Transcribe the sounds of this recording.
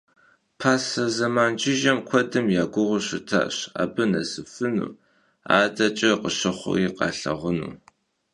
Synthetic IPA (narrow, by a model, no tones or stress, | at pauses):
pʰaːsɐzɐmaːnd͡ʒɪʒɐmkʷʰɔdɨmjaːɡʷʊʁʷʊɕɪtʰa̰ːɕa̰ːbɨnɐsɨfɨnṵː | aːdɐt͡ʃʼɐqəɕɨχʷʊ̰iqɑ̰ːɬɐ̰ʁʷʊnṵː